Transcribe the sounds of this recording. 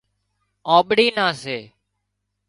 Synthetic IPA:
aːɓɽiːnãːseː

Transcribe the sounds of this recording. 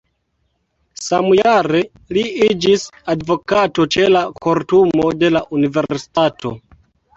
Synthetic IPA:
samujaɾe̞ | liid͡ʒisadvo̞kato̞t͡ʃe̞lakoɾtumo̞de̞laʔunive̞ɾsi̥tato̞̰

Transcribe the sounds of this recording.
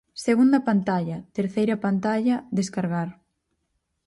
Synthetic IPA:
seɣund̪ɐpant̪aʎɐt̪eɾθejɾɐpant̪aʎɐðeskaɾɣaɾ

